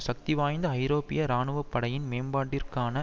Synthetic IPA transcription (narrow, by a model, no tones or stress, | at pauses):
sɐk̚t̪iʋaːjnd̪ɐɐɪɾoːpɪ̰jɐɾaːnɯʋɐpːɐɽɐjɪnmeːmbaːʈːɪrkaːnɐ